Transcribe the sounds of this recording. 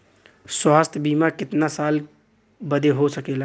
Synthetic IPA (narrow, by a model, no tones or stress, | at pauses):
swaːst̪ʰbiːmakɪt̪nasaːl | bəd̪eɦosəkela